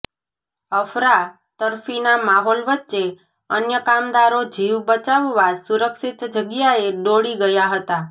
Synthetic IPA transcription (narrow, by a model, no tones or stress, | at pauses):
əfɾa | t̪əɾfinamaɦolʋətːʃe | ənjəkamd̪aɾod͡ʒiʋbət͡ʃaʋːasuɾəkʃit̪d͡ʒəɡjaeɖoɽiɡəjaɦət̪a